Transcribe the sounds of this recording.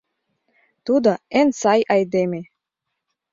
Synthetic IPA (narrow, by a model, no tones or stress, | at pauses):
t̪ud̪əensajʔajd̪emʲe